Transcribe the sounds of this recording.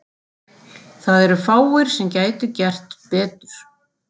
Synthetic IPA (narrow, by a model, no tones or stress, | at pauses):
θaðɛɾʏfaːwɪɾ̥sɛmcaːjt̪ʏcɛr̥t̪pɛːt̪ʏɾ̥